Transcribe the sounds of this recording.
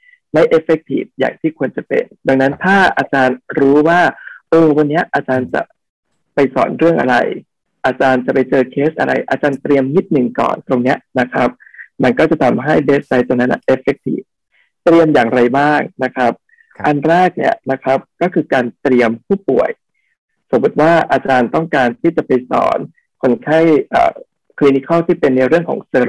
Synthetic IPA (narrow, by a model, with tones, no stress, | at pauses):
ma˥˩jʔe˦˥fe˦k̚t̪ʰḭː˨˩p̚ja̰ː˨˩ŋt̪ʰiː˥˩kʰu˧ənt͡ɕa˨˩pḛ˧nda˧ŋna˦˥nt̪ʰaː˥˩ʔa̰ː˧t͡ɕaː˧nɾuː˦˥waː˥˩ʔɤː˧˩wa˧nːi˦˥ɐʔaː˧t͡ɕaː˧nt͡ɕa̰˨˩ | pa˧jsɔ̰ː˩˦nɾɯ˥˩əŋʔa̰˧ɾa̰˧j | ʔaː˧t͡ɕaː˧nt͡ɕa˨˩pa˧jt͡ɕɤː˧kʰeː˦˥sʔa̰˧ɾa̰˧jʔaː˧t͡ɕaː˧nt̪ɾi˧əmŋi˦˥t̪̚nɯ˨˩ŋkɔ̰ː˨˩nt̪o˧ŋni˦˥ɐna˦˥kʰɾa˦˥p̚ma˧nkɔː˥˩t͡ɕa˨˩t̪ʰa˧mɦa˥˩jbeː˦˥s̚a˧˦jt̪o˧ŋna˦˥nʔa̰˨˩ʔe˦˥fe˦˥k̚t̪ʰḭː˦˩f | t̪ɾi˧əmjaː˨˩ŋɾa˧jbaː˥˩ŋna˦˥kʰa˦˥p̚ | ʔa˧nɾɛː˥˩k̚nḭ˦˥˩əna˦˥kʰa˦˥p̚kɔː˥˩kʰɯː˧kaː˧nt̪ɾi˧əmpʰuː˥˩pu˨˩əj | so˩˦mbu˨˩˦t̪̚waː˥˩ʔaː˧t͡ɕaː˧nt̪ɔ˥˩ŋkaː˧nt̪ʰiː˥˩t͡ɕa˨˩pa˧jsɔ̰ː˩˦n | kʰo˧˥nkʰa˥˩jʔa̰ː˨˩ | kʰliː˧ni˧˦˥kʰa˥˩wt̪ʰiː˥˩pe˧nːa˧jɾɯ˥˩əŋkʰɔ̰ː˩˦ŋsɤː˧